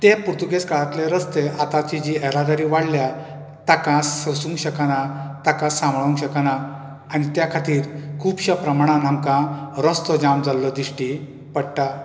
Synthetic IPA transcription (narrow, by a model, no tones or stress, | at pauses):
t̪epuɾt̪ukeskaɭat̪leɾəst̪eʔat̪at͡ɕid͡ʑiɛɾad̪aɾiːʋaɽlja | t̪akãsəsũŋkɕəkanat̪akãsãmbɭũŋkɕəkana | añit̪jakʰat̪iːɾkʰuːbɕapɾəmaɽ̃anãmkãɾɔst̪ɔd͡ʑamd͡zalːɔd̪iʂʈi | pəɽʈa